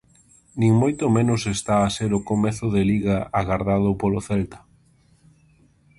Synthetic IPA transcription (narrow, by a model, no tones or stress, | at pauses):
nĩŋmojt̪ʊmẽnʊsest̪aːseɾʊkomeθʊðeliɣaaɣaɾðað̞ʊpoloθɛlt̪ḁ